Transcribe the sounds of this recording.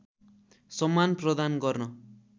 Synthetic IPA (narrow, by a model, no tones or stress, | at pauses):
sʌmːanprʌd̪anɡʌrnʌ